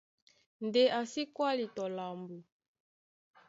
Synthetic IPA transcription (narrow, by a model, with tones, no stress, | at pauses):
nde˦ʔa˨si˦kwa˦li˨tɔ˨la˨mbu˨